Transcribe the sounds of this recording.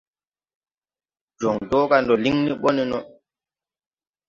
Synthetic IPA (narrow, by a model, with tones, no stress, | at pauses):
d͡ʒɔ˨ŋdɔː˦ka˨ndɔ˨li˦ŋni˦ɓɔ˦ni˦nɔ